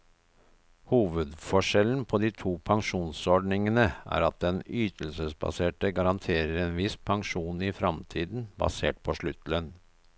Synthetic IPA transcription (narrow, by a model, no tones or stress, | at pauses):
huːʋəd̪fɔʂɛln̩pʰɔd̪iːt̪ʰuːpʰɑŋʂuːnsɔɖɳɪŋənəæ̰ːɾɑt̪̚d̪ɛnyːt̪ʰəl̩səsbɑ̰seːʈəɡɑɾɑnt̪ʰeːɾəɾeːnʋɪspʰɑŋʂuːnɪfɾɑmt̪ʰiːd̪n̩bɑ̰sḛːʈ̚pʰɔʂɭʉt̪lən